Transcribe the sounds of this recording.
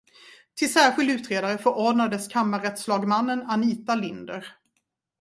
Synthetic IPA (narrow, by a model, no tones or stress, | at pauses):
t̪ʰɪlsæːɾɧɪld̪ʉ̟ːt̪ɾeːd̪aɾəfœɾʔɔɖnad̪əskʰamːaɾɛt̪slɑːɡmanːənaniːt̪alɪnd̪əɾ